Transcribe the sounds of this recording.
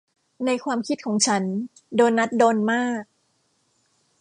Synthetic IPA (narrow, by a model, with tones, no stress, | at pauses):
na˧jkʰwaː˧mkʰi˦˥kʰɔː˩˦ŋt͡ɕʰa˦˥n | doː˧jnːa˦˥t̪̚doː˧nmaː˥˩k̚